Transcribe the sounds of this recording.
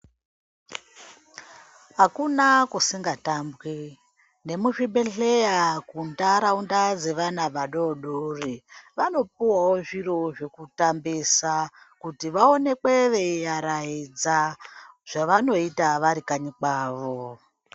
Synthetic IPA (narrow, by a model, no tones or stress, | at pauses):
ɦakunakusiŋɡatambwe | ne̞muʐiɓeɬejakundaɾaundad͡ze̞ʋanaɓaɗoɗoriʋano̞p̚uwawoʐiro̞ʐe̞kutambisa | kutiʋao̞ne̞kweʋejaɾaid͡zaʐ̥aʋano̞itaʋaɾikaɲikaːʋo